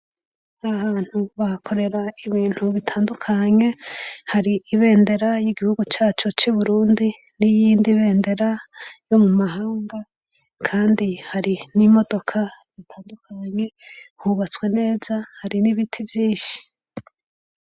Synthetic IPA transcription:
ahaːn̥huβahakʰo̞ɾe̞ɾaiβiːn̥huβitʰaːndukʰaɲe̞haɾiiβe̞ːnde̞ɾajiɡihuɡut͡ʃaːt͡ʃo̞t͡ʃuβuɾuːndi | nijiːndiβe̞ːnde̞ɾajo̞mumaɦaːŋɡa | kʰaːndihaɾinimo̞do̞kʰaz̥itʰaːndukʰaɲe̞huβat͡swe̞ne̞ːzahaɾiniβitʰivjiːʃi̥

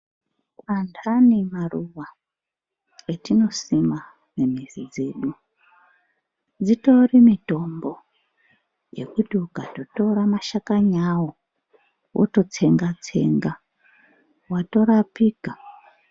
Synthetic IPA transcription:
kwandʰʱanimaruwa | etino̞sima | ne̞mizid͡ze̞ɗu | d͡zito̞rimito̞mbo̞ | jḛkutiukato̞to̞ɾamaʃakaɲawo | wʔo̰to̞t͡se̞ŋɡat͡se̞̰ŋɡa | wato̞ɾapiːka

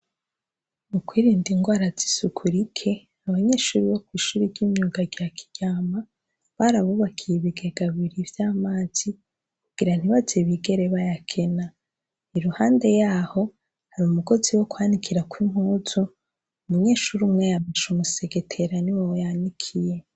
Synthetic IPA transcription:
mukwiːɾiːndiŋɡwaːɾazisukʰuɾikʰe̞ | aβaɲe̞ːʃuːɾiβo̞kwiːʃuːɾiɾɟiːmɲuːɡaɟiakʰi̥ɟ̥aːma | βaɾaβuβakʰijeβiɡeɡaβiɾivjaːmaːz̥i | kuɡ̥iɾan̥iβazeβiɡe̞ɾe̞βajakʰe̞na | iɾuhaːnde̞jaːho̞ | haɾumuɡo̞ziwo̞kwaːnikʰiɾakwim̥huːzu | muɲe̞ːʃuɾumŋejamaʃumuseɡetʰe̞ɾaniwowojanikʰije̞

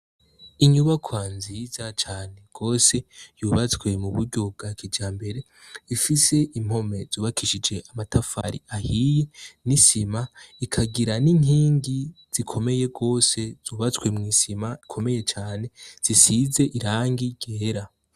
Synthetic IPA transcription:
iɲuβakʰwanzizat͡ʃaːne̞ɡ̥o̞ːse̞juːβat͡swe̞muβuɾɟo̞b̚ɡakʰid͡ʒaːmbe̞ɾe̞ | ifise̞ʔim̥ho̞me̞z̥uːβakʰiʃid͡ʒe̞ʔamatʰafa̰ɾḭahije̞nisimaikʰaɡiɾaniniːŋɡiz̥ikʰo̞me̞je̞ɡo̞ːse̞z̥uːβat͡swe̞mŋiːsimaikʰo̞me̞je̞t͡ʃaːne̞z̥isize̞ʔiɾaːŋɡiɟ̥eːɾa

